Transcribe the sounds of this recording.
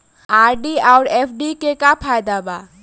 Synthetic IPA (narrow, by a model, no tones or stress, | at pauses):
aːɾɖiaʊɾepʰɖikekapʰaːjd̪aba